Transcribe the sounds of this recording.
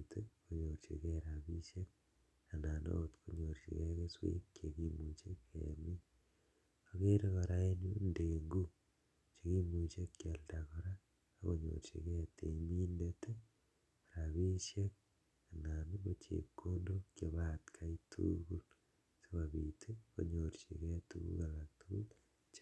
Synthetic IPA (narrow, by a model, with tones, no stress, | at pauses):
te˦ko˨ɲo˨ɾt͡ʃḛ˨ke˦ɾaβi˦ʃe˦k̚ | a˨na˨no̰˦tko˦ɲo˨ɾt͡ʃḭ˨ke˦ke˦swḛ˦kkekimu˨t͡ʃe˦kːḛa̰˨mi˦ | oke˦ɾe˦kɔ˨ɾa˦e˦nu˦nde˨ŋɡu˦ | t͡ʃe˨ki˦mu˨t͡ʃe˦kːja˨lda˨kɔ˦ɾaː˦ | ko˨ɲo̰ɾt͡ʃḛ˨ke˦te˨imi˦ndetʰe | a˨ɾaβi˦ʃje˦k̚ | a˨na˨nubo˦t͡ʃḛkːo˦ndokje˨βat̪kʰa˦itʰṵku˦l | se˦βa˨βitʰeko̰ɲoɾt͡ʃḭ˨kɛ˦tukṵka˨la˨tuku˦l | t͡ʃ